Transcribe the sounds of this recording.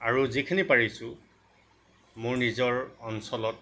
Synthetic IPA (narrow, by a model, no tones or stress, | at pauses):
aɹuzikʰinipaɹisʊ | mʊɹnizɔɹɔnsɔlɔt̚